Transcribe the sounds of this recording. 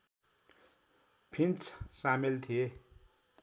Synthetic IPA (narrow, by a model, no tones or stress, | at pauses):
pʰint͡sʰsamelt̪ʰie